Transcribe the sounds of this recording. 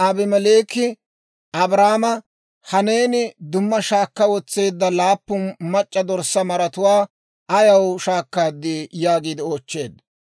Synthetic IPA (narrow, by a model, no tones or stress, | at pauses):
ʔɐbɪmɛleːkːɪ | ʔɐbɾaːmɐ | hɐne̞ːnɪd̪ʊmːɐʃaːkːɐwɔt͡sːe̞ːd̪ːɐlaːpːʊnmɐt͡ʃʼːɐd̪ɔɾsːɐmɐɾɐt̪ʊwaː | ʔɐjɐwʃaːkːaːd̪ːɪjaːɡiːd̪ɪoːt͡ʃːe̞ːd̪